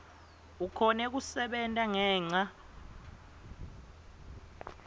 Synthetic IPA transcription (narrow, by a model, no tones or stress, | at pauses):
ukʰɔnɛk̬usɛɓɛntʼaŋɛːŋ͡ǀa